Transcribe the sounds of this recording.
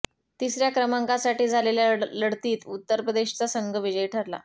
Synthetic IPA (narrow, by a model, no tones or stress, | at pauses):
t̪isɾjakɾəmaŋkasaʈiːd͡zʱaleljaləɽt̪iːt̪ut̪ːəɾpɾəd̪eɕt͡sasəŋɡʱəʋid͡ʑəjʈʰəɾla̰